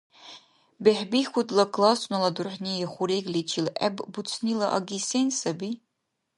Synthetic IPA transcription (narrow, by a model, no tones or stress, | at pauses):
beħbixʷutʰlɐkʰlasnalɐdʊrħnieχʷuɾeɡlet͡ʃʰilɛ̰bbut͡sʰnilɐʔa̰ɡʲisensɐbi